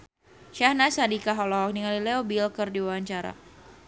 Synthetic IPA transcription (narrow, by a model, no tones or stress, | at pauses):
ʃahnasadikaɦɔlɔɦɔk̚niŋalilɛobilkɨrdiwawaɲt͡ʃaɾa̰